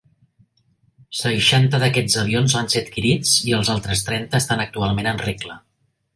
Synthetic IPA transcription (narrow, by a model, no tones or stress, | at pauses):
səʃant̪əðəkɛd͡zəβ̞ionzβanseət̪kiɾit͡siəlˠzalˠt̪ɾəst̪ɾɛnt̪əːst̪anək̚t̪ualˠmenənreklə